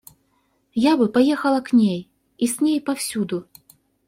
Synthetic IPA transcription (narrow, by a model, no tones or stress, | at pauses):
jabɨpajɛxɐlˠɐknʲej | isʲnʲejpawsʲud̪u